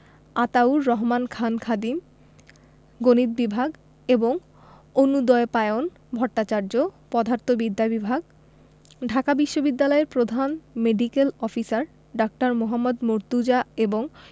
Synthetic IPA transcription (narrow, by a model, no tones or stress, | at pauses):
at̪awɾːɔɦmankʰankʰad̪im | ɡonit̪̚bibʱaɡ | eboŋ | onud̪ɔepaeon | bʱɔɾʈat͡ɕaɾd͡ʑopɔd̪ʱaɾt̪ʰobid̪ʱːabibʱaɡ̚ | ɖʱakabiʃːobid̪ːalɔeɾpɾod̪ʱanmeɖikelɔfisaɾ | ɖɔk̚ʈaɾmoɦamːod̪moɾt̪ud͡ʑaeboŋ